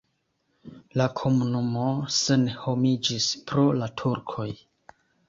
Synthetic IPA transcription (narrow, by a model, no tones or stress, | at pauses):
lakʰo̞munumo̞senho̞mid͡ʒispɾolatʰuɾkʰo̞j